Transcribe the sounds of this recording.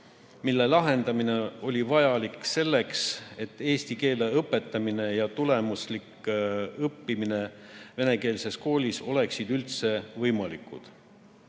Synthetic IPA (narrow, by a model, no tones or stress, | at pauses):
milːe̞lɑɦe̞nd̪̥ɑmine̞o̞lʲivɑjɑlikse̞lːe̞kse̞t̪ːˑe̞ːst̪ike̞ːleɤpːˑe̞t̪ˑːɑmine̞jɑt̪ule̞muslikɤpːimine̞ve̞ne̞ke̞ːlse̞sko̞ːlʲiso̞le̞ksid̪̥ylt̪se̞vɤjmɑlikːˑud̪̥